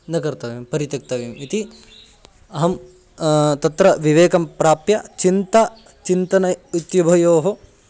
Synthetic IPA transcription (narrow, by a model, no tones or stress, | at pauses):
nɐkɐɾt̪ɐʋeːmpɐɾit̪ɐk̚t̪ɐʋeːmit̪i | ɐɦɐm | t̪ɐt̪ɾɐʋiʋeːkɐmpɾaːpjɐt͡ʃint̪ɐ | t͡ʃint̪ɐnɐjut̪jɐbʱɐjoːɦo